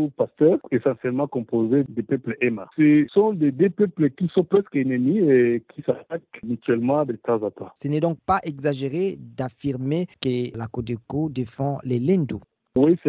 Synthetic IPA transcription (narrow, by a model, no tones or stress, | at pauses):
opast̪œːʁesɑ̃sjɛlmɑ̃kɔ̃pozed̪epøpləʔɛma̰səsɔ̃ded̪øpøpləkisɔ̃pʁɛskenəmiekʰisat̪akmyt̪ɥɛlmɑ̃d̪et̪ãzat̪ãsənɛd̪ɔ̃k̚paʔɛɡzaʒeʁed̪afiʁmekəlakod̪ekod̪efɑ̃lɛlɛ̃nd̪u | wis